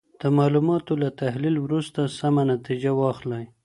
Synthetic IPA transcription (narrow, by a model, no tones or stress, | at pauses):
d̪̥əmɑlumɑt̪olat̪ahlilwɾust̪asamanat̪id͡ʒawɑxlaj